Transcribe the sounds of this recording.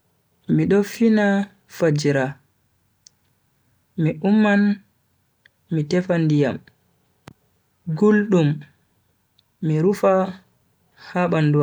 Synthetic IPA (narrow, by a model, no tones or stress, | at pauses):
miɗɔfina | fad͡ʒiɾa | miʔumːan | mitɛfandijam | ɡulɗum | iɾufa | haɓanduwa